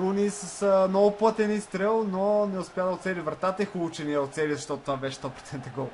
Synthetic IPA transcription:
ɾunisɐsnɔvʊplˠət̪ɛnist̪ɾɛlˠnonɛʊspʲjad̪əot̪sɛlʲivɾɐt̪at̪əixulˠut͡ʃɛniɛot̪sɛlizɐʃt̪ɔt̪o̥t̪ovabɛʃɛ̥st̪ɔpɾo̥t̪sɛnt̪əɡɔlˠ

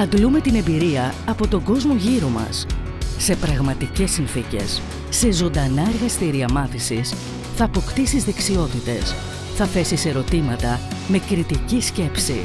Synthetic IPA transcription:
ɐd̪lume̞t̪ine̞mbiɾiɐɐpo̞t̪o̞ɡo̞zmo̞ʝiɾo̞mɐ̰sː | e̞pɾɐɣmɐt̪ice̞sinθice̞̰sː | e̞zo̞nd̪ɐnɐe̞ɾɣɐst̪iɾiɐmɐθisis | θɐːpo̞kt̪ist̪izðe̞ksio̞t̪it̪e̞s | θɐθe̞sise̞ɾo̞t̪imɐt̪ɐme̞kɾit̪icisce̞psḭ

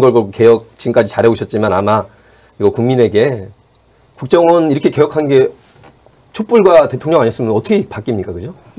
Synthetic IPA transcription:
ɡʌɭɡʌɭk͈oke̞jʌk̚t͡ɕimk͈ad͡ʑit͡ɕaɾeoɕʰʌt̚t͡ɕ͈imanama | iɡʌkuŋmine̞ɡe̞ | kuk̚t͡ɕ͈ʌŋʌniɾʌkʰe̞ke̞jʌkʰanɡe̞ | t͡ɕʰop͈uɭɡwate̞tʰoŋɲʌŋaɲjʌs͈ɯmjʌnʌtʰʌɡʰepak͈imɲik͈akɯd͡ʑo

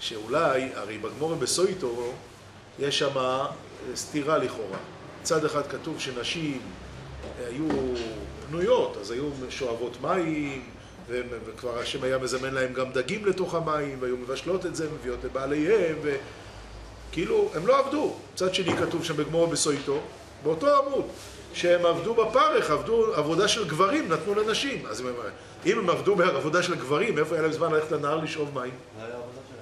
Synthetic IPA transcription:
ʃeulajaʁe̞jbaɡmo̞ʁebesojto̞ | jeʃːama | st̪iʁaliχo̞ʁa̰ | t͡sad̪eχad̪katuvʃe̞naʃim | aju | bnujo̞tazajumeʃoavo̞t̪maim | vemvekvaʁhaʃe̞majame̞zame̞nlae̞mɡamd̪aɡimle̞to̞χhamaimveajume̞vaʃlo̞te̞tzemevijo̞tebaːle̞jhemve̞ | kiilue̞mlo̞avdu | t͡sad̪ʃe̞nikatuvʃambeɡmoʁbesoito̞ | beo̞to̞amud | ʃeemavdubapaʁeχavduavo̞daʃe̞lɡvaʁimnat̪nulenaʃima̰zm | ime̞mavdubeaavo̞daʃe̞lɡvaʁime̞foajalaemzmanlaleχtlenaaʁliʃʔo̞vmaim | jav

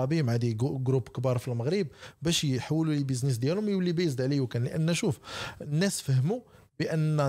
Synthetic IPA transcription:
ɑbimʕad̪iɡɡɾubkbiɾˤfilməɣɾəb̚bæʃħawːəlulibəznis̬d̪jælʊmjwlːibæjzd̪ʕlijwkænləʔə̰nːæʃufnːæsfəhmu | bəʔənː

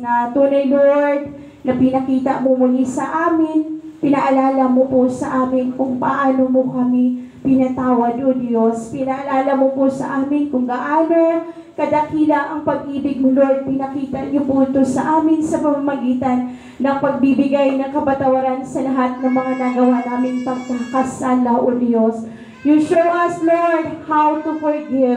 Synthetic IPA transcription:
nɐt̪uːnɐjnoɹd̪̚ | nɐpɪnɐkiːt̪ɐʔmomʊnisɐʔaːmɪnpɪnɐʔɐlaːlɐmoposɐʔaːmɪnkʊŋpɐʔaːno̞mokɐmi | pɪnɐt̪aːwɐd̪od̪jospɪnɐʔɐlaːlɐmoposɐ̰ʔaːmɪnkʊŋɡaʔaːno | kɐd̪ɐkiːlɐŋʔɐŋpɐɡ̚ʔiːbɪɡ̚mʊloɹd̪̚pɪnɐkiːt̪ɐɲopunt̪osɐʔaːmɪnsɐpɐmamɐɡiːt̪ɐnː | ɐŋpɐɡ̚bibɪɡajnɐŋkɐbɐt̪ɐwɐɾansɐlɐɦat̪̚nɐŋmɐŋanɐɡɐwanaːmɪŋpɐɡsɐŋkɐsalːɐʔod̪jos | juʃowʔɐsloɹd̪̚hawt̪ufoɹɡɛt

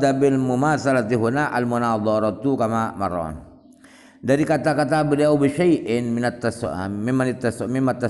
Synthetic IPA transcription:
d̪abilmumasalat̪iɦunaʔalmunaːd̪ˤɔɾɔt̪ukamama̰ɾɔ̰n | daɾikat̪akat̪abiliawbiʃajʔɪnmɪnat̪ːasmimanit̪ːasmimat̪ːa

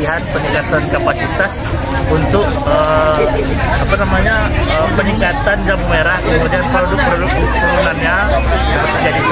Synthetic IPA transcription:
iɦat̪̚pəniŋkat̪ankapasit̪as | unt̪ʊk̚ə | apanamaɲaəpəniŋkat̪and͡ʒammeɾahkəmudianpɾodʊk̚pɾodʊk̚puunanɲa | kaɾaməd͡ʒadi

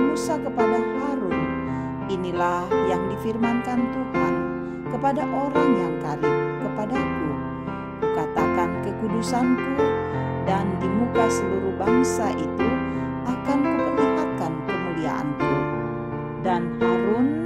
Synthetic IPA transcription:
ənusakəpadahaɾʊn | inilahjaŋdifirmankant̪uhan | kəpadaʔoɾaŋjaŋkaɾikəpadaku | kat̪akankəkudusanku | dandimukasəluɾuhbaŋsaʔit̪u | ʔakanmupərliɦat̪̚kanpəmulia̰ʔa̰nku | danhaɾun

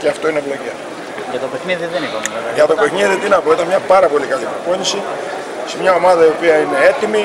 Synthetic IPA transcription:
ceɐft̪o̞inevlo̞ce | jɐt̪opexniðiðenikomveʝɐt̪o̞pe̞xniðit̪inɐpo̞it̪ɐnmɲɐpɐɾɐpo̞likɐlipɾopo̞ɲisi | semɲɐo̞mɐðɐio̞piɐine̞e̞t̪imi

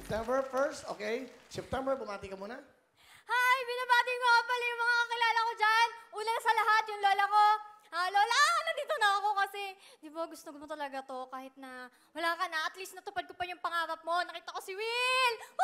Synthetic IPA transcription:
p̚t̪ɛmbɛɹfɛɹst̪ʔo̰ːkejsɛp̚t̪ɛmbɛɹbʊmaːt̪ɪkɐmuːnɐ | hajbɪnabaːt̪ɪɡmoɐbɐlɛjʊŋmɐŋakɐkɪlaːlɐko̞d͡ʒanʔuːnɐnɐsɐlɐɦat̪̚jʊŋloːlɐko̞ | aloːlɐnɐd̪iːt̪o̞nɐɐko̞kɐsɛ | d̪ɪboɡʊst̪oɡmot̪ɐlɐɡat̪o̞kaːhɪt̪̚nɐ | wɐlaːkɐnɐʔɐt̪list̪nɐt̪ʊpad̪̚kopɐjʊŋpɐŋaːɾɐp̚mo̞nɐkiːt̪ɐko̞sɪwɪl

